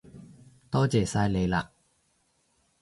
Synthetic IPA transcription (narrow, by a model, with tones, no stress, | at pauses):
t̪ɔː˥t͡sɛː˨˩saː˧jle˨˧jla̰ː˨˩k̚